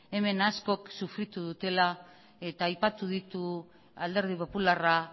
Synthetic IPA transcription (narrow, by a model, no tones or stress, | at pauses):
e̞me̞nasko̞ksufɾit̪uðut̪e̞la | et̪aːjpat̪uðit̪u | ald̪e̞ɾð̞ipo̞pulara